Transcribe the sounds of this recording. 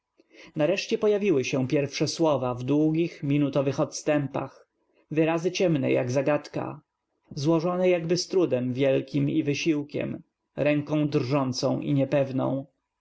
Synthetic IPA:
naɾɛʂt͡ɕɛpɔjavʲiwɘɕɛ̃pʲjɛɾfʂɛswɔvavd̪wuɡʲixmʲinut̪ɔvɘxɔt̪st̪ɛmpa̰x | vɘɾazɘt͡ɕɛmnɛ̰ja̰ɡzaɡat̪ka̰ | zwɔʐɔnɛjaɡbɘst̪ɾud̪ɛmvʲjɛlkʲimivɘɕiwkʲɛ̰m | ɾɛŋkɔ̃w̃d̪rʐɔnt̪sɔ̃w̃ʔḭɲɛpɛvnɔ̰̃w̃

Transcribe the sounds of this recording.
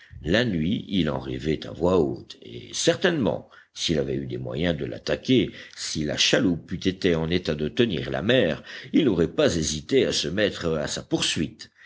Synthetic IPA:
lanɥiilɑ̰̃ʁɛvɛt̪a̰vwaot̪ḛsɛʁt̪ɛnmɑ̰̃ | silavɛyd̪emwa̰jɛ̃d̪əla̰t̪akʲesila̰ʃalupyt̪et̪eɑ̃net̪ad̪ət̪ənḭʁla̰mɛːʁilnɔʁɛpazezit̪easəmɛt̪χasapuʁsɥit̪

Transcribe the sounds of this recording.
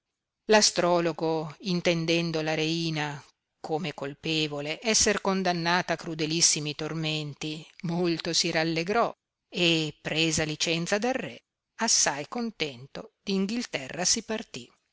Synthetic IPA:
last̪ɾɔːloɡoint̪end̪ɛnd̪olaɾeiːna | kʰomekolpeːvoleʔɛsːerkond̪anːaːt̪aːkːɾud̪elisːimit̪orment̪imolt̪osiɾalːeɡɾɔ | epːɾeːzalit͡ʃɛnt̪sad̪arːɛ | asːajkont̪ɛnt̪od̪̥iːŋɡilt̪ɛrːasipart̪i

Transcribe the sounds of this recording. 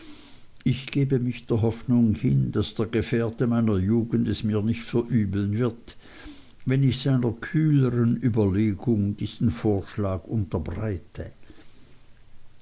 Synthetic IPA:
ɪçɡ̥eːbəmɪçd̥eːɐɦɔfnʊŋhɪnd̥asd̥eːɐɡ̥əfɛːɐdəmaɪnɐjuːɡən̩dɛsmiːɐnɪçtfɛɐʔyːbl̩nvɪɐt | vɛnɪçsaɪnɐkʰyːləʁənyːbɐleːɡʊŋd̥iːz̥n̩foːɐʃlaːɡ̥ʊntɐbʁaɪtʰə

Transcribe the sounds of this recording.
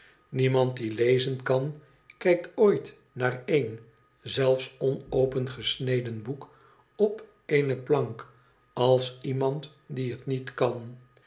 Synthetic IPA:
nimɑnt̚dilejzənkɑn | kɛjk̚tojt | naːrejn | zɛlˠfsɔnowpənχəsnejdənbuk | ɔp | eɪnəplɑŋk | ɑlˠsimɑnt | diətnitkɑn

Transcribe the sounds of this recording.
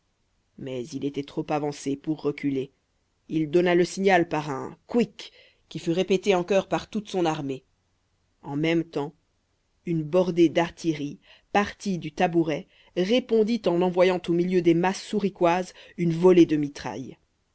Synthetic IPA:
mɛzilet̪ɛt̪χopavɑ̃sepuʁːəkʲʰyle | ild̪ɔnaləsiɲalpaʁɛ̰̃kwikʲː | ifyʁepet̪eɑ̃kɔʁpaʁt̪ut̪sɔ̃naʁme | ɑ̃mɛmt̪ɑ̃ | ynbɔʁd̪ed̪aʁt̪ʰeʁi | paʁt̪id̪yt̪abuʁɛ | ʁepɔ̃d̪it̪ɑ̃nɑ̃vwajɑ̃t̪omiljød̪emasːuʁikwazynvɔled̪əmit̪χa̰j

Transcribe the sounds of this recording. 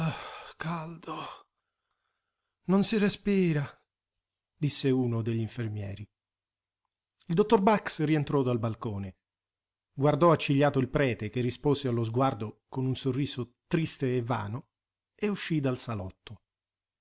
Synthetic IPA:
akald̪o | nonsirespiːɾa | d̪isːeuːnod̪eʎːiɱfermjɛ̰ːɾi | ild̪ot̪ːorbaksrient̪ɾɔd̪albalkoːne | ɡward̪ɔat͡ʃːiʎːaːt̪oilpɾɛːt̪ek̟erispoːsealːozɡward̪okonunsorːiːsot̪ɾist̪eːvːa̰ːno | euʃːid̪alsalɔt̪ːo

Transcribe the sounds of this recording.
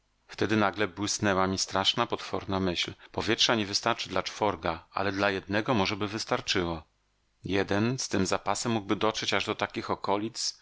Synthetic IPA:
ft̪ɛd̪ɘnaɡlɛbwɘsnɛwamʲist̪ɾaʂnapɔt̪fɔɾnamɘɕlpɔvʲjɛtʂaɲɛvɘst̪aɾt͡ʂɘd̪lat͡ʂfɔɾɡaa̰lɛd̪lajɛd̪nɛɡɔmɔʐɛbɘvɘst̪aɾt͡ʂɘwɔ | jɛd̪ɛnst̪ɘmzapasɛmːuɡ̚bɘd̪ɔtʂɛt͡ɕaʐd̪ɔt̪akʲixɔkɔlʲit̪s

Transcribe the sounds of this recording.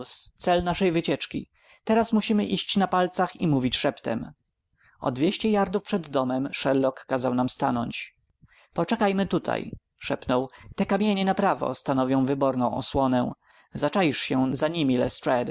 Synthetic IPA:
st̪sɛlnaʂɛjvɘt͡ɕɛt͡ʂkʲḭ | t̪ɛɾasmuɕimɘʔiɕt͡ɕnapalt̪saximuvʲit͡ɕʂɛpt̪ɛ̰m | ɔ̰d̪vʲjeɕt͡ɕɛjaɾd̪ufpʂɛd̪ːɔmɛmʂɛɾlɔkːazawnamst̪anɔ̰ɲt͡ɕ | pɔt͡ʂɛkajmɘt̪ut̪ʰa̰j | ʂɛpnɔwt̪ɛkamʲjeɲɛnapɾavɔ̰st̪anɔvʲjɔ̃w̃vɘbɔɾnɔ̃w̃ʔɔ̰swɔnɛ̃ | zat͡ʂajiʂɕɛzaɲimʲilɛ̰stɾɛd̪

